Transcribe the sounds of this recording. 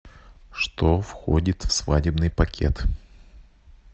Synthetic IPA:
ʂt̪ofxodʲɪt̪fsvadʲɪbnɨjpɐkʲʰḛt̪

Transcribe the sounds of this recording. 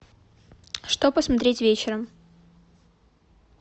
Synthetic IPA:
ʂt̪opəsmɐt̪ɾʲetʲvʲet͡ɕɪɾəm

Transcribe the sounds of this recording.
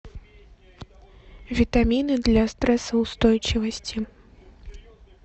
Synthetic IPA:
vʲit̪amʲinɨd̪lʲɐst̪ɾɛsɐwst̪ɔjt͡ʂivɐsʲt͡sʲi

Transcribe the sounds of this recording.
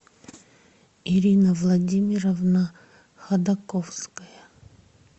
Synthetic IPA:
iɾʲinəvlˠɐdʲimʲiɾəvnə | xɐd̪ɐkofskəjə

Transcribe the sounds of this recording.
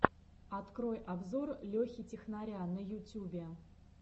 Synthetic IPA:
at̪kɾojabzorlʲoxʲitʲɪxnaɾʲanəjutʲubʲe

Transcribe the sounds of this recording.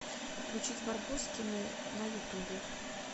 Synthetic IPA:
fklʲʉt͡ɕitʲbɐrbuskʲɪnɪ | nɐjʊt̪ubʲɪ

